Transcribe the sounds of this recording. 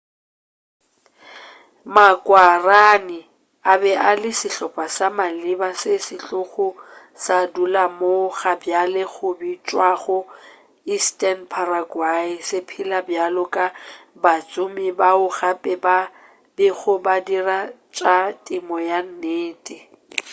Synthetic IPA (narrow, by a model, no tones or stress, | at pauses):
makʼwaranɪ | abɛʔalɪsɪɬɔpʼasamalɪbasɪsɪɬʼʊɣʊ | sadulamoɣabjalɛɣʊbit͡ʃʼwaɣʊ | istʼɛnpʰaraɡwaɪsɪpʰilabjalʊkʼabat͡sʼʊmɪbaʊɣapʼɛba | bɪɣʊbadirat͡ʃʼatʼɪmɔjan̩neːtʼɪ